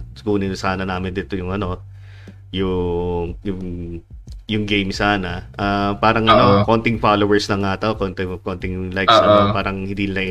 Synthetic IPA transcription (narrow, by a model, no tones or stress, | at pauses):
skuːnɪnsaːnɐnaːmɪnd̪ɪt̪ojʊŋʔɐno̞ | jʊ | jʊŋ | jʊŋɡejmsaːnɐʔapaːɾɐŋʔɐnoko̞nt̪ɪŋfalowɛɹsnɐŋaːt̪ɐwkont̪ɪkont̪ɪŋlajksɐapaːɾɐŋhɪ̃nd̪iːlaj